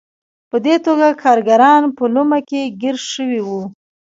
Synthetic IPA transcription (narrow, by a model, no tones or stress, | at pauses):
pəd̪et̪oɡakʰɑɾɡaɾɑnpəlumakeɡɪɾʃəwiwu